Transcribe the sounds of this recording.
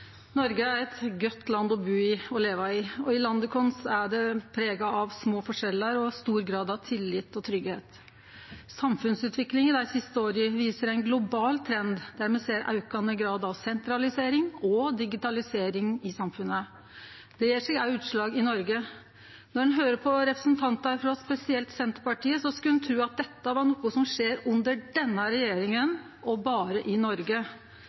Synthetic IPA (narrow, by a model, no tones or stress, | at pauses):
nɔɾɡəæɾɛt̪ɡœt̪ːlɑnd̪ɔbʉːɪɔleːʋəɑɪɔɪlɑnd̪əkʰɔnsæɖɛpʰɾeːɡɑɑʋsmoːfɔʂɛlːəɾɔst̪uːɾɡɾɑːd̪ɑʋt̪ʰɪlːɪt̪ːɔt̪ʰɾʏɡheːt̪ | sɑmfʉnsʉːt̪ʰʋɪklɪŋɪd̪æɪsɪst̪əoːɾəʋiːsəɾæɪnɡlʊbɑːlt̪ʰɾɛnd̪d̪æɾmɛseːɾɑ̰ʉkɑnəɡɾɑːd̪ɑʋsɛnt̪ɾɑlɪseːɾɪŋɔd̪ɪɡɪt̪ɑlɪseːɾɪŋɪsɑmfʉnːə | d̪̥ɛjiːʂɛɡɑʉːt̪ʂɭɑːɡɪnɔɾɡə | nɔɖɛnɦøːɾəpʰɔɾɛpɾə̥sn̩t̪ʰɑnt̪əæɾfɾɑspɛsɪɛlt̪sɛnt̪ə̥pɑʈiːəsɔskʉnt̪ʰɾʉːɑt̪̚d̪ɛt̪ːəʋɑɳɔkʊsɔmʂeːɾʉnd̪əɖɛnːəɾɛjeːɾɪŋən | ʔɔbɑːɾəʔɪnɔɾɡə